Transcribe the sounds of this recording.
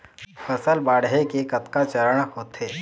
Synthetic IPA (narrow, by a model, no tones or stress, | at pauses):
fʰəsəlbaːɽɦekekɐt̪kat͡ʃəɾəɽ̃hoːt̪ɦeː